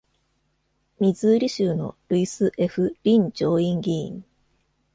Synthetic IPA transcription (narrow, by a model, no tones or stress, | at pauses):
mʲizɨːɾʲiɕɨːno̞̰ɾɯisɨʔe̞ɸɯ̟ɾʲĩɲ̟d͡ʑo̞ːĩŋɡʲiḭ̃ŋ